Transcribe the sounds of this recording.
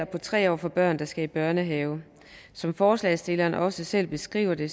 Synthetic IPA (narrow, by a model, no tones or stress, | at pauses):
ɐpʰɒ̽t͡sʰʁɛ̰ːɒ̰ːfɒ̽b̥ɶɐ̰nd̥ɑ̈sɡ̥æib̥ɶɐnəɦɛːʊ | sɒ̽mfɒːslɛːsd̥e̝lɐːnʔɒ̽səsel̰b̥e̝sɡ̥ʁḭːʊɐd̥e̝